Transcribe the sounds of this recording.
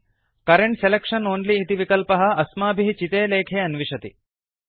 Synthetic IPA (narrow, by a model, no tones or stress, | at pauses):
kɐɾeɳʈselekʂɐnoːnliːt̪iʋikɐlpɐɦɐ̆ɐsmaːbʱiɦt͡ʃit̪eːleːkʰeːɐnʋiʂɐt̪ḭ